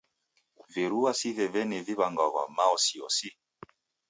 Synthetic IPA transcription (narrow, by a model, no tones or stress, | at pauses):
veɾuasivɛvɛnɛviβaŋɡɔɣa̰maɔsiɔ̰si